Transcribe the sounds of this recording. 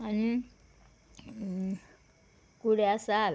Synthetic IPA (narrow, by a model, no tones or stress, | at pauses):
ani | kuɺɛasaːl